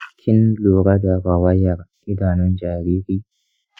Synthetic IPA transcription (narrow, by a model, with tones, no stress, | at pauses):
kʰi˦nlu˨ɾa˦ɡa˨ɡa˨wa˦ja˨ɾ | i˦da˨nɔ˦nd͡ʒa˨ɾiː˦ɾi˦